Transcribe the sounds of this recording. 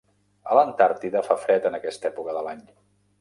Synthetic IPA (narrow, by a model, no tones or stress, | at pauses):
ələnt̪aɾt̪iðəfafɾɛt̪ənəkɛst̪ɛpukəðəlaɲ